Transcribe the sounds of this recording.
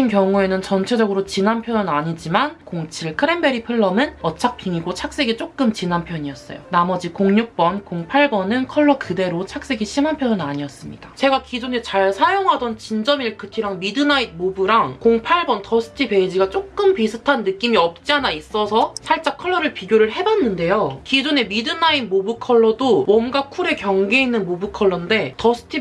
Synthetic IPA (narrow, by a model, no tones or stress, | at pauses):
inkjʌŋue̞nɯnt͡ɕʌnt͡ɕʰe̞d͡ʑʌɡɯɾot͡ɕinanpʰjʌnɯnaɲid͡ʑimankoŋt͡ɕʰiɭkʰɯɾe̞mbe̞ɾipʰɯɭːʌmɯnʌt͡ɕʰak̚pʰiŋiɡot͡ɕʰak̚s͈e̞ɡit͡ɕ͈ok͈̚ɯmt͡ɕinanpʰjʌɲiʌs͈ʌ̰jo̰namʌd͡ʑikoŋɲuk̚p͈ʌnkoŋpʰaɭbʌnɯnkʰʌɭːʌkɯde̞ɾot͡ɕʰak̚s͈e̞ɡiɕʰimɦanpʰjʌnɯnaɲiʌs͈ɯmɲid̥at͡ɕe̞ɡakid͡ʑonet͡ɕaɭsʰajoŋɦadʌnt͡ɕind͡ʑʌmiɭkʰɯtʰiɾaŋmidɯnain̚mobuɾaŋkoŋpʰaɭbʌntʌsʰɯ̥tʰipe̞id͡ʑiɡat͡ɕ͈ok͈̚ɯmpisʰɯtʰanːɯk͈imiʌp̚t͡ɕ͈ianais͈ʌsʰʌsʰaɭt͡ɕ͈akʰʌɭːʌɾɯɭpiɡjoɾɯɭɦe̞banːɯnde̞jokid͡ʑone̞midɯnainmobukʰʌɭːʌdowʌmɡakʰuɾe̞kjʌŋɡe̞inːɯnmobukʰʌɭːʌnde̞tʌsʰɯ̥tʰi